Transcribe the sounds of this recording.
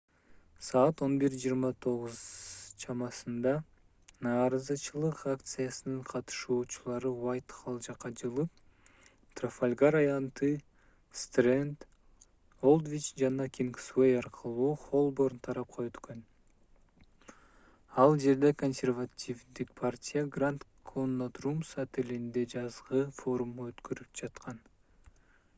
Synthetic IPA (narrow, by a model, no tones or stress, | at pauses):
sɑːt̪o̞nbiɾd͡ʒijːɾmɑt̪ʰo̞ʁuzt͡ʃʰɑmɑsɯnd̪ɑ | nɑːɾɑzɯt͡ʃɯlˠɯqakt̪sɨjɑsɯnɯɴqʰɑt̪ɯ̥ʃuːt͡ʃulˠɑɾɯwajt̪χʰɑlˠd͡ʒɑqːɑd͡ʒɯlˠɯp̚ | t̪rofolʲɡaɾɑjɑnt̪ɯ | st̪rent̪ | olˠd̪vʲit͡ʃd͡ʒɑnɑkʲiŋkswejɑɾqʰɯlˠuːχo̞lˠbornt̪ʰɑɾɑp̚qɑøt̪køn | ɑlˠd͡ʒe̞ɾd̪ekonsʲervatʲivd̪ik̚pʰartʲijaɡrant̪kʰonːat̪rumsat̪ilind̪e̞d͡ʒɑzʁɯfo̞ɾumːøt̪køɾyp̚d͡ʒɑt̪qʰɑn